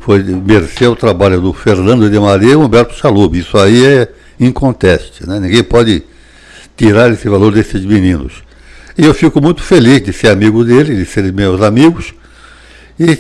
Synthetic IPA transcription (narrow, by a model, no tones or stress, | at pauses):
fojmeɾseʊt̪ɾabaʎʊd̪ʊfeɾnɐ̃d̪ʊid̪ɪmaɾiɐiõbɛɾt̪ʊ̥ʃalubɪisʊaiɛ | ĩkõnt̪ɛst͡ʃ̪ɪnɛnĩɡẽj̃pɔd͡ʒɪ | t̪iɾaɾesɪvaloɾd̪esɪzminĩnʊ̰s | ɪewfikʊmũj̃t̪ʊ̥felizd̪ɪseɾamiɡʊd̪elɪd̪ɪseɾ̃mewzamiɡʊs | ɪ